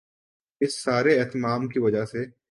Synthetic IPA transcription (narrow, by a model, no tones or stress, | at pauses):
ɪsːaːɾeɛːt̪maːmkiʋɐd͡ʒəɦse